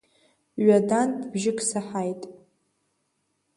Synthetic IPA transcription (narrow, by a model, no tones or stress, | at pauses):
ɥadantʼbʒɪkʰʼsaħajtʼ